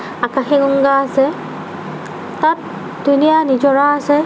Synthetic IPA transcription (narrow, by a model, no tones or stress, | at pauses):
akaxɛɡɔŋɡaːsɛ | tat̚ | dunijanid͡ʒɔɹaːsɛ